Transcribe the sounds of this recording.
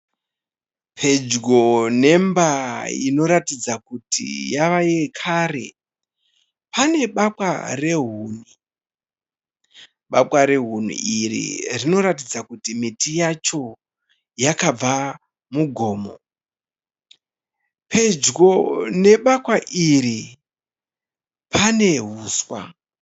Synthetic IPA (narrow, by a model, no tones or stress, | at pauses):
pʰe̞d͡ʒɡone̞mbaḭno̞ɾatid͡zakutḭjaʋajekʰaːre̞̰ | pane̞ɓakwa̰re̞ɦuːn̤u | ɓapwaɾe̞ɦun̤ṵʔirḭrino̞ɾatid͡zakutimitijat͡ʃo̞ | jakab͡va | muɡʱo̞ːmo̰ | pʰe̞d͡ʒɡo̞ne̞ɓakwaʔiri | pʰane̞ɦuːswa̰